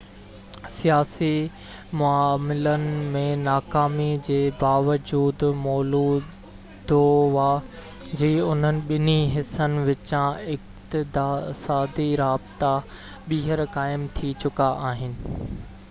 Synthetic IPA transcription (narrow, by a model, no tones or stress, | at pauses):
sijaːsi | mʊaːmɪlənɪ̆mẽnaːkaːmid͡ʑeːbaːʋəd͡ʑuːd̪mɔːluː | d̪oʋaː | d͡ʑiːʊn̤ənɪ̆ɓɪniɦɪsənɪ̆ʋɪt͡ɕãɪkt̪ɪd̪aːsaːd̪iɾaːbɪt̪a | ɓiːɦəɾkaːɪmt̪ʰit͡ɕʊkaʔaːɦɪnɪ̆